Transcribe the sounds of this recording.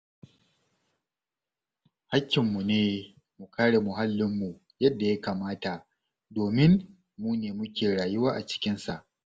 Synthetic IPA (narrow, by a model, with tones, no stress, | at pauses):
ha˦kʲːɪ˨mːu˨neː˦ | mu˨kʰaː˦ɽe˨mʊ˨ɦa˦lːɪ˦mːu˨ | jɐ˦dːa˨ja˦kaː˨maː˦ta˨ʔ | doː˨mɪ˦n | muː˦neː˨mʊ˦kʲeː˨ɽaː˨jʊ˦waː˦ʔa˨t͡ʃɪ̥˦kʲɪ˦nsa˨ʔ